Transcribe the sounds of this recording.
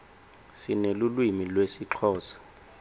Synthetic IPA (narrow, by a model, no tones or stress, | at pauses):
sinelulwimilwesiǁʰɔːsḁ